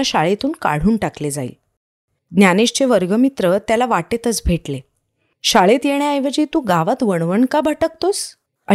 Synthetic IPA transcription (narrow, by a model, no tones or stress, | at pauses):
aɕaɭet̪uːnka̰ɽ̤uːnʈakled͡za̰ḭl | ɡ̪njaneɕt͡ɕeʋəɾɡəmit̪ɾət̪jalaʋaʈet̪ət͡sbʱeʈle | ɕaɭet̪jeɽ̃eajʋəd͡ʑiːt̪ũɡaʋat̪ʋəɳ̃ʋəɳkabʱəʈək̚t̪os | ə